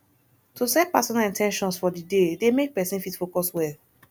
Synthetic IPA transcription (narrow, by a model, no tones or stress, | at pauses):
tusɛt̚pasɔnalĩntʰɛ̃nʃɔ̃nsfɔdidedemek̚pɛsĩnfitfokɔswɛl